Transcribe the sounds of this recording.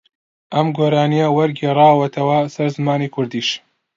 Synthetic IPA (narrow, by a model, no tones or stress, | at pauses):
ʔɐmɡoːɾaːnijɐwɐɾɡerˤɑːwɐt̪ʰɐwɐsɐɾzɨmaːniːkʰʊɾd̪iːʃ